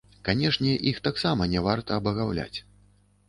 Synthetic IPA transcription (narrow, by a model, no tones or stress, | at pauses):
kanʲɛʂnʲɛʔixt̪aksamɐnʲɛvart̪ɐːbɐɣawlʲa̰t͡sʲ